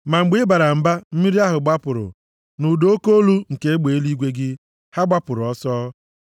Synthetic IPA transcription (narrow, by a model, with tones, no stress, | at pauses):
ma˨ŋ͡m̩˨ɡ͡bɪ˦ba˨ɾa˨m̩˨ba˦m̩˦mi˦ɾi˦a˦ɦʊ˨ɡ͡ba˦pʊ˨ɾʊ̰˨ | nu˨do˦o˦ko˦lu˦ŋ̩˨ke˦e˦ɡ͡be˨e˦li˦ɡʷe˦ɡɪ˦ | ha˦ɡ͡ba˦pʊ˨ɾʊ˨ɔ˦sɔː˦